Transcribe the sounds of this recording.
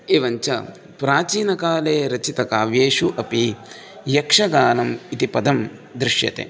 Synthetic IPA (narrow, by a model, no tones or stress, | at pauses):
eʋɐɲt͡ʃɐ̰ | pɾaːt͡ʃiːnɐkaːleːɾɐt͡ʃit̪ɐkaːʋjeːʂuʔɐpi | jɐkʂɐɡaːlɐmit̪ipɐd̪ɐm | d̪ɾɪʂjɐ̰t̪ḛː